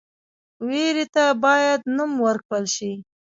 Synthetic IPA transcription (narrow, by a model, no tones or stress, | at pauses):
weɾit̪abɑjad̪numwəɾkwəlʃi